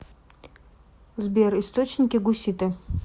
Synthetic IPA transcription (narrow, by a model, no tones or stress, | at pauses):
zbʲerist̪ot͡ɕnʲɪkʲɪɡʊsʲit̪ɨ